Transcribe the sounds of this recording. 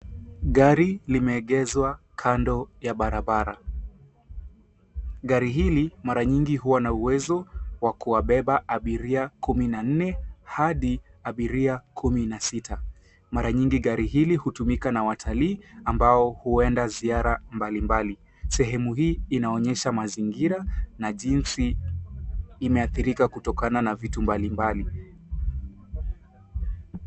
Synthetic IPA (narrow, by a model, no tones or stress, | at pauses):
ɠaɾilimɛːɠɛzwakʰandɔjaɓaɾaɓaɾa̰ | ɠaɾiɦilimaɾaɲiŋɡiɦuwanauwɛzɔwakuwaɓɛɓaʔaɓiɾiakuminan̩nɛhaɗiaɓiɾiakʰuminasitʰa | maɾaɲiŋɡiɠaɾiɦilihutumikanawatʰaliːambaɔhuɛndaziaɾambalimbali | sɛɦɛmuɦiːnaɔɲɛʃamaziŋɡiɾanaʄinsi | mɛaθiɾikakutɔkananavitumbalimbali